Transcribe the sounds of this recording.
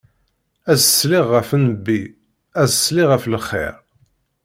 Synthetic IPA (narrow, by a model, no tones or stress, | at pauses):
æzəsːlɪʁːəfənəbːi | æzəsːliʁəfləχːḛɾ